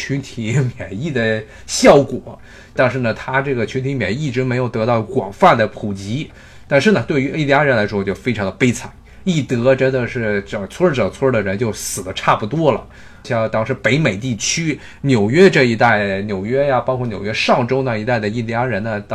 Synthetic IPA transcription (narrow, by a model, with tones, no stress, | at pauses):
t͡ɕʰy˧˥nt̪ʰi˧˥mjɛ˨˩ni˥˩d̪ə˩ | ɕjɑ˥˩ʊkwɔ˨˩˦ | t̪a˥˧nʂ̬ɻ̩˥˩nə˩t̪ʰa˥ʈ͡ʂɤ˥˩ɡə˩t͡ɕʰnt̪ʰi˧˥mjɛ̰˨˩n˥i˥˩ʈ͡ʂɻ̩˧˥me˧˥ɪjo˨˩ʊt̪ɤ˧˥t̪ɑ˥˩ʊkwɑ̰˨˩ŋfa˥˩nd̪ə˩pʰu˨˩t͡ɕi˧˥ | t̪a˥˧nʂɻ̩˥˩nə˩t̪we˥˩ɪy˧˥i˥˩li˧a˥ɻə˧˥nla˧˥ɪʂwɔ˥t͡ɕjo˥˩ʊfe˥ɪʈ͡ʂʰɑ˧˥ŋd̪ə˧pe˥ɪt͡sʰa˨˩˦ | i˥˩t̪ɤ˧˥ʈ͡ʂə˥nd̪ə˨ʂɻ̩˥˩ʈ͡ʂɤ˨˩t͡sʰwɔ˥ʈ͡ʂɤ˨˩t͡sʰwɔ˥d̪ə˩ɻə˧˥nt͡ɕjo˥˩ʊsɹ̩˨˩d̪ə˦ʈ͡ʂʰa˥˩pu˨˩t̪wɔ˥lə̰˨ | ɕjɑ˥˧˥t̪ɑ˥ŋʂɻ̩˥˩pe˧˥ɪme˨˩ɪt̪̬i˥˩t͡ɕʰy˥ | njo˨˩ʊɥɛ˥ʈ͡ʂɤ˥˩i˧˥t̪a˥˩ɪnjo˨˩ʊɥɛ˥ja˧pɑ˥kʰwnjo˨˩ʊɥɛ˥ʂɑ˥˩ŋʈ͡ʂo˥ʊnə˧˩i˧˥t̪a˥˩ɪd̪ə˩i˥˩li˧a˥ɻə˧˥nnə˧t̪